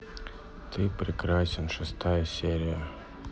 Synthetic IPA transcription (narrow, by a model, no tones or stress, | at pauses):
t̪ʰɨpɾʲɪkɾasʲɪnʂɨst̪ajəsʲeɾʲɪjə